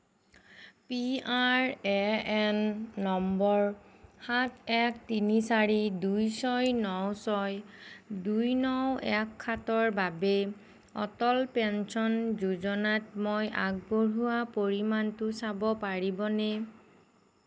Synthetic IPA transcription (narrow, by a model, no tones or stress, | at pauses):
piaɹɛɛnːɔmbɔɹxatʰɛk̚ʰtinisaɹidujsɔjnɔwsɔjdujnɔwɛkʰːatɔɹbabɛ | ɔ̰tɔlpɛnsɔnzuzɔnatmojʔaɡ̚boɹuwapoɹimantʊsabɔpaɹibɔnɛ